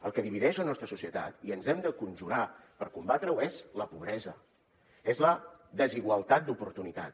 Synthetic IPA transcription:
əlˠkəðiβiðɛʒlənɔst̪ɾəsusiət̪a̰t̪iənzɛmd̪əkunʲʒuɾapəɾkumbat̪ɾəwɛz̥ləpuβ̞ɾɛzə | ɛzləðəziɣwəlˠt̪at̪̚d̪upuɾt̪unit̪a̰t̪

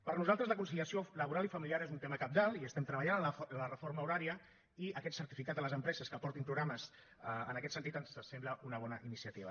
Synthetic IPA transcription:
pəɾnuzalˠt̪ɾəzləkunsiliəsioləβuɾalifəmiliaɾezunt̪eməkab̚d̪alˠiəst̪ɛmt̪ɾəβəʎanələrəfoɾməuɾaɾiə | iəkɛt̪səɾt̪ifikad̪ələzəmpɾɛzəskəpɔɾt̪impɾuɣɾaməs | əənəkɛt̪sənt̪it̪ənssɛmbləunəβ̞ɔnəʔinisiət̪iβə̰

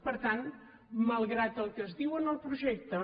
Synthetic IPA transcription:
pəɾt̪an | məlˠɣɾat̪əlˠkəzðiwənəlˠpɾuʒɛk̚t̪ə

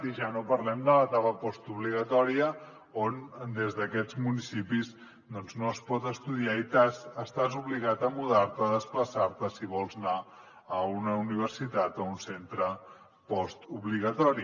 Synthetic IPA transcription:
t̪iʒanopəɾlɛmd̪ələt̪aβəpɔst̪uβliɣət̪ɔɾiə | ond̪ezðəkɛd͡zmunisipiz | d̪ɔnznoəspɔt̪əst̪uðiait̪azəst̪azuβliɣat̪əmuðaɾt̪əːðəspləsaɾt̪əsiβɔlˠzna | əunəuniβ̞əɾsit̪at̪ounsent̪ɾə | pɔst̪uβliɣət̪ɔɾi

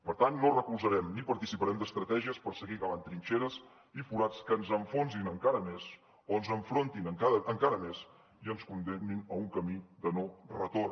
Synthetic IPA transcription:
pəɾt̪anːorəkulˠzəɾɛmnipəɾt̪isipəɾɛmd̪əst̪ɾət̪ɛʒiəspəɾsəɣiɣəβant̪ɾint͡ʃeɾəs | ifuɾat͡skənzəɱfonzinəŋkaɾəmez | oənzəɱfɾont̪inəŋkaðəʔəŋkaɾəmes | iənskund̪eninəuŋkəmid̪ənorət̪or

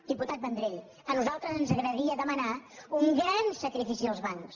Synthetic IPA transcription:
d̪̥iput̪at̪̚bənd̪ɾeʎ | ənuzalˠt̪ɾəzənzəɣɾəɾiəðəmənauŋɡɾansəkɾifisiəlˠzβaŋks

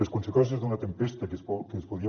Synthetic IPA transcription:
eskõnsekos̬ezðunat̪empest̪akesokeespoðia

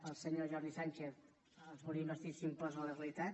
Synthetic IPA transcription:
əlˠsəɲoʒɔɾðisaɲʲt͡ʃeθ | əzmoɾimbəst̪isimpɔzələɣəlit̪at̪

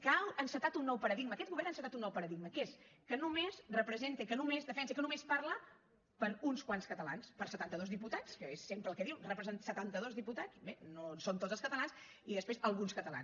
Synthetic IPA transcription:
kawənsət̪at̪unːɔwpəɾəðiɡ̚məːkɛt̪̚ɣuβɛɾənsət̪at̪unːɔwpəɾəðiɡməkeskənumezrəpɾəzent̪ekənumezðəfɛnsəkənumespaɾlə | pəɾunskwanskət̪əla̰nspəɾsət̪ant̪əðozðiput̪at͡skəesːempɾəlˠkɛðiwrəpɾzənsət̪ant̪əðozðiput̪azbenosont̪ozəskət̪əlˠans | iðəspɾezəlˠɣunskət̪əla̰n

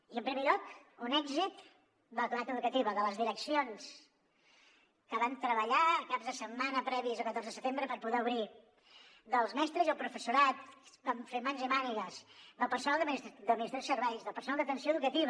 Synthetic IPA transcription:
iəmpɾimeʎɔkunɛɡzit̪ | d̪ələklðat̪əðukət̪iβəðələzðiɾəksions | kəβant̪ɾəβəʎakabzðəsəmmːanəpɾɛβizəkət̪oɾzðəsət̪embɾəpəɾpuðɛuβɾi | d̪əlˠzmɛst̪ɾəzəlˠpɾufəsuɾat̪̚baɱfemːanzimaniɣəzd̪əlˠpəɾsunalˠd̪md̪əminist̪ɾosəɾβɛjzðəlˠpəɾsunalˠd̪ət̪ənsioəðukət̪iβə

